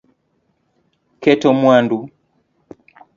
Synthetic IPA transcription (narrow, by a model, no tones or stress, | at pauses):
kɛtɔmwandu